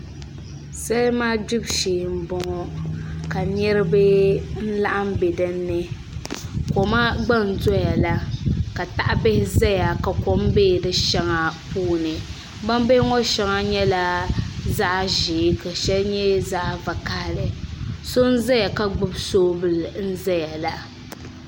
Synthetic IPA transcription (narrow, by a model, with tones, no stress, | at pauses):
sa˦lmaː˦di˦bʃeː˨m̩˦bɔ˨ŋɔ˨ka˨ɲɛ˦ɾɨ˦bɨ˦n̩˦la˦ʔa˦m˦be˨dɨ˦nːɨ˦ | ko˨ma˦ɡ͡ba˦n̩˨zɔ˦ja˨la˦ka˨ta˨ʔa˦be˦hɪ˦za˦ja˨ka˨ko˨˦m˦be˦˨dɨ˨ʃɛ˦ŋa˨puː˦nɨ˨ | ba˦m˦be˦ŋɔ˦ʃɛ˦ŋa˦ɲɛ˦la˨za˦ʔʒe˨˦ka˨ʃɛ˦lɲɛ˦za˦ʔva˨ka˦˨lɨ˨so˦n̩˦za˦ja˨ka˦ɡ͡bʊ˦bsoː˦bɨ˦˨ln̩˦za˦ja˨la˨